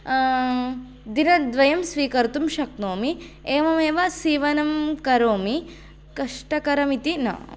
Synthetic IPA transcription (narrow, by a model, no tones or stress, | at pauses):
d̪inɐd̪ʋɐjɐmsʋiːkɐɾt̪umʃɐknoːmi | eːʋɐmeːʋɐsiːʋɐnɐmkɐɾoːmi | kɐʂʈɐkɐɾɐmit̪inɐ̰